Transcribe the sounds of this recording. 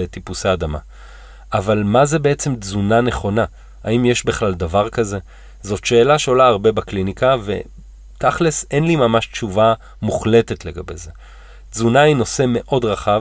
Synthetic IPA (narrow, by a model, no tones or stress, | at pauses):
etipuseːdama̰ | ʔavalmaze̞be̞et͡se̞mzunaneχo̞na | a̰imje̞ʃbiχlaldavaʁkaze̞ | zo̞tʃe̞ːlaʃeolaːʁbe̞baklinikave̞̰ | taχlese̞nlimamaʃtt͡ʃuva | muχle̞te̞tle̞ɡabe̞̰ze̞ | zunaino̞se̞me̞ʔo̞dʁaχav